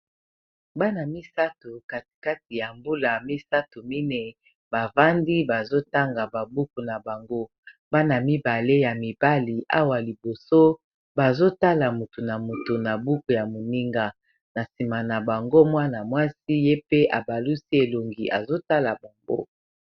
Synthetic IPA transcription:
ba˦na˨mi˦sa˦to˨ka˨ti̥˨ka˦ti˨ja˨mbu˦la˨mi˦sa˦to˨mi˦ne˨ | ba˨va˦ndi˦ba˨zo˦ta˦ŋɡa˨ba˨bu˦ku˨na˨ba˨ŋɡo˦ | ba˦na˨mi˦ba˨le˦ja˨mi˨b̥a˦li˨ʔa̰˦wa˨li˨bo˨so˦ | ba˨zo˦ta˦la˨mo˨tu˨na˨mo˨to˨na˨bu˦ko˨ja˨mo˨ni˦ŋɡa˨ | na˨si˨ma˨na˨ba˨ŋɡo˦mwa˦na˨mwa˦si˦je˦pe˦ʔa˨ba˨lu˦si˦e˨lo˨ŋɡi˨ʔa̰˨zo˦ta˦la˨ba˨ŋɡo̰˦

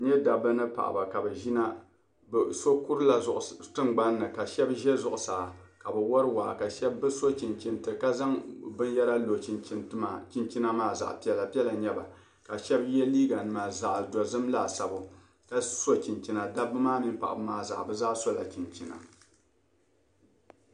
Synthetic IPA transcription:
ɲɛ˦da˨bɨ˦nɨ˦pa̰˨ʔa̰˨ba˨ka˨bɛ˨ʒi˦na˦ | bso˦ku˦ɾla˨ʔtɨ˦ŋɡ͡ba˦nːɨ˨ka˨ʃɛ˦bʒɛ˦zʊ˦ʔʊ˨saː˨ka˨bɛ˨wɔ˦ɾɨ˦waː˨ka˨ʃɛ˦bːɨ˦so˦t͡ʃi˨nt͡ʃi˨ntɨ˨ɨ˨ka˦za˦ŋbɨ˦nja˦ɾa˦lo˨t͡ʃi˦ni˦n˦ma˨t͡ʃi˦nt͡ʃi˦na˦maː˦˨za̰˨ʔpi˦ɛ˨la˨pi˦ɛ˦la˨ɲɛ˦ba˨ | ka˨ʃɛ˦bjɛ˦liː˦ɡa˨nɨ˨ma˨za˨ʔdɔ˨zɨ˦mla˨sa˨bʊ˨ | ka˦so˦t͡ʃi˨nt͡ʃi˨na˨da˦bɨ˦maː˦mi˦npa̰˨ʔa̰˨bɨ˦maː˦za̰˨ʔbɨ˦zaː˦so˦la̰˨t͡ʃi˨nt͡ʃi˨na̰˨

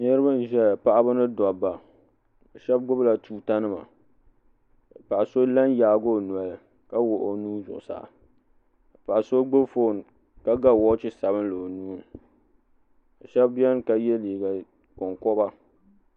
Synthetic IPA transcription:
nɨ˦ɾɨ˦ba˦n˦˨ʒɛ˦la˨pa˦ʔa˦ba˦nɨ˦dɔ˨bːa˨ | a˨ʃɛ˦b̚ɡʊ˦bla˨tuː˨ta˦nɨ˦ma̰˨ | pa˨ʔa˨so˦la˦njaː˨˦ɡo˦˨nu˨a˨l | ka˦wo˨ʔo˦nuː˦zʊ̰˨ʔʊ˨sa̰˨ | pa˨ʔa˨so˦ɡ͡bo˦bfo˦˨n˨ | ka˦ɡa˦˨wɔ˦t͡ʃɪ˦sa˨βɨ˦n˦lo˨nuː˦n˨ | a˨ʃɛ˦bbɛ˦n˦ka˦jɛ˦liː˨ɡa˨ | kʊ˨ŋkɔ˦ba˦

